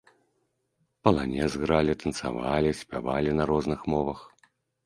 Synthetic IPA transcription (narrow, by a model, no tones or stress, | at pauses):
pɐlˠanʲɛzɣɾalʲit̪ɐnt̪sa̰valʲisʲpʲavalʲinɐɾɔznɨxmɔvɐx